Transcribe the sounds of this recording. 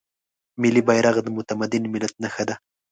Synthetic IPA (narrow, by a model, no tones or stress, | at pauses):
mɪlibajɾaɣd̪əmʊt̪amad̪ɪnmɪlat̪̚naxad̪a